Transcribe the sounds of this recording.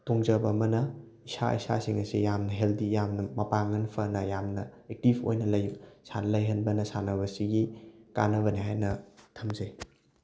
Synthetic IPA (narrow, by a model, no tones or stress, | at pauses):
toŋzɐbɐːmɐnɐ | isa̰ḭsa̰siŋɐsijamnɐɦeldijamnɐmɐpaŋɐnpʰɐnɐjamnɐek̚tibʰo̰jnɐlɐjsanlɐjɦɐnbɐnɐsanɐβɐsiɡika̰nɐβɐniɦajnɐtʰɐmzɐj